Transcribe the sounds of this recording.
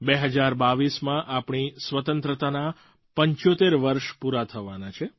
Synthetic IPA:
beɦəd͡ʒaɾbaʋismãʔapɳisʋət̪ənt̪ɾət̪ana | pəɲt͡ʃot̪eɾʋəɾʃpuɾat̪ʰəʋanat͡ʃʰe

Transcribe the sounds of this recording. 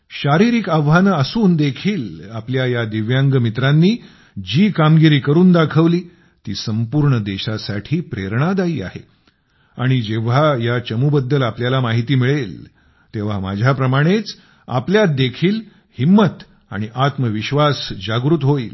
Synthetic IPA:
ɕaɾiɾiːkaʋɦanəəsuːnd̪ekʰiːlapljajad̪iʋjaŋɡəmit̪ɾanːiː | d͡ʑiːkamɡiɾiːkəɾuːnd̪akʰəʋliː | t̪iːsəmpuɾɳəd̪eɕasaʈʰiːpɾeɾɳ̃ad̪aiːa̰ɦḛ | a̰ɽ̃id͡ʑeʋ̤ajat͡ɕəmuːbəd̪ːəlapljalamaɦit̪iːmiɭel | t̪eʋ̤ama̰d͡ʑʱjapɾəmaɽ̃et͡s | a̰pljat̪̚d̪ekʰiːl | himːət̪ | a̰ɽ̃iʔat̪məʋiɕʋasd͡ʑaɡɾut̪ɦoiːl

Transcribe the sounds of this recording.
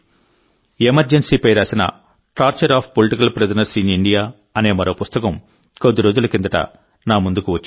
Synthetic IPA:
emɐɾd͡ʒensiːpɐjɾaːsinɐ̰ | ʈaːɾt͡ʃɐɾaːpʰpoliʈikɐlpɾesɐnɐɾsiniɳɖijaː | ɐne̞ːmɐɾoːpust̪ɐkɐm | kod̪ːiɾoːd͡ʒulɐkind̪ɐʈɐ̰ | naːmund̪ukuʋɐt͡ʃː

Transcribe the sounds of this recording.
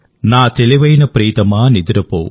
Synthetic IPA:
naːt̪eliʋɐjnɐpɾiːt̪ɐmaːnid̪iɾɐpo̰ː

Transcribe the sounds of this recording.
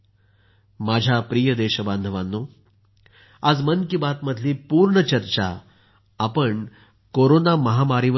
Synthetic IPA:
mad͡ʑʱjapɾijəd̪eɕəband̪ʱəʋanːuː | ad͡zmənkibat̪məd̪ʱliːpuːɾɳət͡ɕəɾt͡ɕa̰ː | pəɳ | koɾonaməɦamaɾiʋə

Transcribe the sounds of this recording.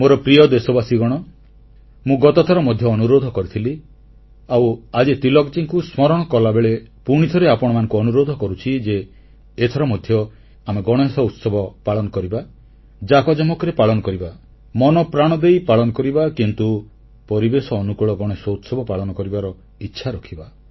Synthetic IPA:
moɾɔpɾiɔd̪esɔbasiɡɔɽ̃ɔ | mũɡɔt̪ɔt̪ʰɔɾɔmɔd̪ʱjɔːnuɾod̪ʱɔkɔɾit̪ʰili | awad͡ʒet̪ilɔkt͡ʃiŋkusmɔɾɔɽ̃ɔkɔlabeɭepuɽ̃it̪ʰɔɾeapɔɽ̃ɔmanɔŋkuɔnuɾod̪ʱɔkɔɾut͡ʃʰid͡ʒeː | t̪ʰɔɾɔmɔd̪ʱjɔ | ameɡɔɽ̃esɔut̪sɔbʱɔpaɭɔnɔkɔɾiba | d͡ʒakɔd͡ʒɔmɔkɾepaɭɔnɔkɔɾiba | mɔnɔpɾaɽ̃ɔd̪ejpaɭɔnɔkɔɾibakint̪u | pɔɾibesɔːnukuɭɔɡɔɽ̃esɔut̪sɔbʱɔpaɭɔnɔkɔɾibaɾɔ | itːʃʰaɾɔkʰiba

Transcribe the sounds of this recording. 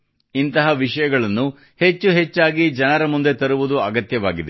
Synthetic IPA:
int̪ɐɦɐʋiʂɐjɐɡɐɭɐnːu | he̞t͡ʃːuɦet͡ʃːaːɡid͡ʒɐnɐɾɐmund̪e̞t̪ɐɾuʋud̪uɐɡɐt̪jɐʋa̰ːɡid̪e

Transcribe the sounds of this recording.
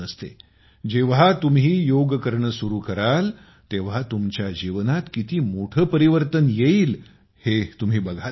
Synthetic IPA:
əst̪ḛ | d͡ʑeʋɦat̪umɦiːjoɡkəɾɳəsuɾuːkəɾal | t̪eʋ̤at̪umt͡ɕjad͡ʑiʋnat̪kit̪iːmoʈʰəːpəɾiʋəɾt̪ənjeiːl | het̪um̤iːbəɡʱa

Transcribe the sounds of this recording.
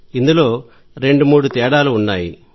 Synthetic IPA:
ind̪ulo̞ː | ɾe̞ɳɖumuːɽut̪ɛːɽaːluːnːaːji

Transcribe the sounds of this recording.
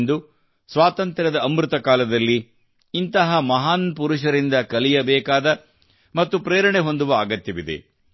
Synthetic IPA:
nd̪u | sʋaːt̪ɐnt̪ɾɐd̪ɐːmɾut̪ɐkaːlɐd̪ɐlːiː | nt̪ɐɦɐmɐɦaːnpuɾuʃɐɾind̪ɐkɐlijɐbɛːkaːd̪ɐ | mɐt̪ːupɾeːɾɐɳeɦo̞nd̪uʋɐaːɡɐt̪jɐʋid̪ḛ

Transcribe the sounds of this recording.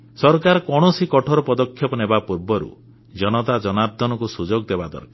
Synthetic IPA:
sɔɾkaɾɔkɔɽ̃ɔsikɔʈʰɔɾɔpɔd̪ɔkʰːjɔpɔnebapuɾbɔɾṵ | d͡ʒɔnɔt̪ad͡ʒɔnaɾd̪ʱɔnɔkusud͡ʒoɡd̪ebad̪ɔ̰ɾka

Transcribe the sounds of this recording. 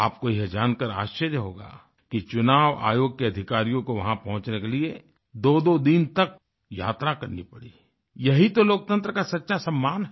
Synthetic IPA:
aːp̚kojɪɦed͡ʒaːnkəɾa̰ːʃt͡ʃəɾjəɦoːɡa̰ː | kit͡ʃʊnaːʋa̰ːjoːɡ̚keɐd̪ʱɪkaːɾijõkoʋɐɦãpɐɦʊ̃t͡ʃnekelie | d̪oːd̪od̪int̪ɐk̚ | ja̰ːt̪ɾakɐɾnipɐɽḭː | jɐɦit̪oloːk̚t̪ə̃nt̪ɾəkasɐtːʃʰasɐmːaːnɦɛ

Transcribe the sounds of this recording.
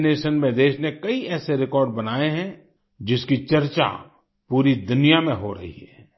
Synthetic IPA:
neːʃənmẽd̪eːʃnekɐiɛːseɾɪkɔːɾɖbɐnaːeɦɛ̃ | d͡ʒɪskit͡ʃɐɾt͡ʃa̰ | puːɾid̪ʊnijamẽɦoɾɐ̰ɦḭɦɛ̰ː

